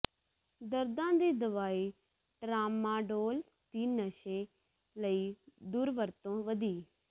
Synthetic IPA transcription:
d̪əɾd̪ãːd̪iːd̪əʋaːiː | ʈɾaːmãːɖoːl | t̪iːnəʃeː | ləiːd̪uːɾʋəɾt̪õːʋəd̪iː

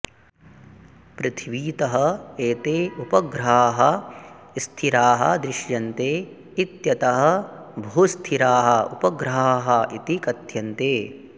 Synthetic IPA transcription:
pɾɪt̪ʰʋiːt̪ɐɦɐeːt̪eːupɐɡɾaːɦɐ | ist̪ʰiɾaːɦɐ̰̆d̪ɾɪʃjɐnt̪eː | it̪jɐt̪ɐɦɐ̆bʱuːst̪ʰiɾaːɦɐ̆upɐɡɾɦaːɦɐʔit̪ikɐt̪jɐnt̪eː

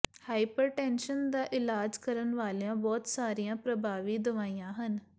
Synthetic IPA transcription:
haːipəɾʈɛːnʃənd̪aːʔɪlaːd͡ʒkəɾənʋaːleãːbɔːt̪saːɾijãːpɾəbʱaːʋiːd̪əʋaːijãːɦən

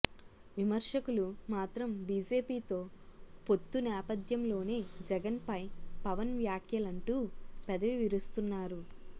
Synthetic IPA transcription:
ʋimɐɾʂɐkulumaːt̪ɾɐmbiːd͡ʒe̞ːpiːt̪o̞ːpo̞t̪ːunɛːpɐd̪jɐmlo̞ːne̞ːd͡ʒɛɡɐnpɐjpɐʋɐnʋjaːkʰjɐlɐɳʈuːpɛd̪ɐʋiʋiɾust̪unːaːɾu

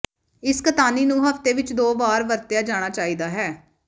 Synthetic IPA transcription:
ɪskət̪aːniːnũːɦəft̪eːʋɪt͡ʃd̪oːʋaːɾʋəɾt̪ejaːd͡ʒaːɽ̃aːt͡ʃaːiːd̪aːɦɛː

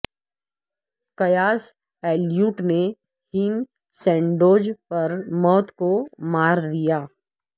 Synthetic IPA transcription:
kɐjaːs | ɛːljuːʈne | hɪŋ | sɛ̃ːɳɖoːd͡ʒpɐɾmɔːt̪komaːɾd̪ijaː

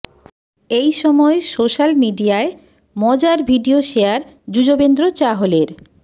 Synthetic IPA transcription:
ejʃɔmɔesoʃalmiɖiae | mɔd͡ʑaɾbʱiɖioʃeaɾ | d͡ʑud͡ʑobend̪ɾot͡ɕaɦoleɾ

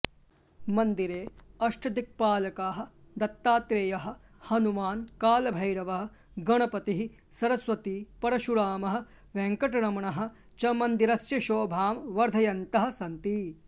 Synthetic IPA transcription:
mɐnd̪iɾeːɐʂʈɐd̪ik̚paːlɐkaːɦɐ̆ | d̪ɐt̪ːaːt̪ɾeːjɐɦɐ̆ | hɐnumaːnkaːlɐbʱɐjɾɐʋɐɦɐ̆ | ɡɐɳɐpɐt̪iɦi | sɐɾɐsʋɐt̪iːpɐɾɐʃuɾaːmɐɦɐ̆ | ʋeŋkɐʈɐɳɐmɐɳɐɦɐ̆ | t͡ʃɐmɐnd̪iɾɐsjɐʃoːbʱaːmʋɐɾd̪ʱɐjɐnt̪ɐɦɐ̆sɐnt̪i

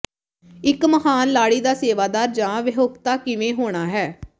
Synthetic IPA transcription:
ɪkməɦaːnlaːɽiːd̪aːseːʋaːd̪aːɾd͡ʒãːʋɪɦoɡt̪aːkɪʋẽːɦoːɽ̃aːɦɛː

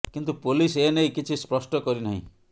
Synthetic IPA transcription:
kint̪upolisenejkit͡ʃʰispɾɔsʈɔkɔɾinaɦḭ̃

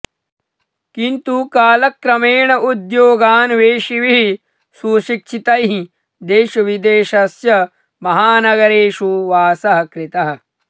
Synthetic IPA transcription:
kint̪ukaːlɐkɾɐmeːɳɐʔud̪joːɡaːnʋeːʃiʋiɦi | suːʃikt͡ʃʰit̪ɐjɦi | d̪eːʃɐʋid̪eːʃɐsjɐ | mɐɦaːnɐɡɐɾeːʃuʋaːsɐɦɐkɾɪt̪ɐɦɐ̆

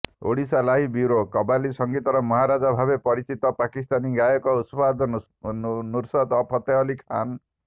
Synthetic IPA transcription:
o̰ɽisalaɦibiɾokɔbalisɔŋɡit̪ɔɾɔmɔɦaɾad͡ʒabʱabepɔɾit͡ʃit̪ɔpakist̪aniɡajɔkɔuspad̪ɔ | nuɾsɔt̪ɔpʰɔt̪eɔlikʰa̰n

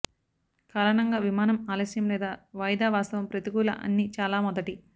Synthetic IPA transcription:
kaːɾɐɳɐŋɡaːʋimaːnɐmaːlɐsjɐmlɛːd̪aːʋɐjd̪aːʋaːst̪ɐʋɐmpɾɐt̪iɡuːlɐ̰ʔɐ̰nːit͡ʃaːlaːmɔd̪ɐʈi

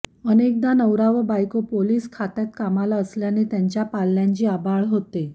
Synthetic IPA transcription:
ənek̚d̪anəwɾaʋəbajkopoliːskʰat̪jat̪kamalaəsljanet̪jaɲt͡ɕjapalːjãɲt͡ɕiːabʱaɭɦot̪e

